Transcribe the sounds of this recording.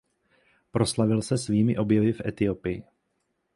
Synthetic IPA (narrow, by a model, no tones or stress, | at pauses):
pɾo̞slavɪlsɛsviːmɪʔo̞bjɛvɪfʔɛ̰t̪ɪopɪjɪ